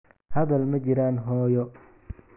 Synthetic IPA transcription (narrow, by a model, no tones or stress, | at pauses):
hɐðɐlmɐt͡ʃɪɾaːnɦɔːjɔ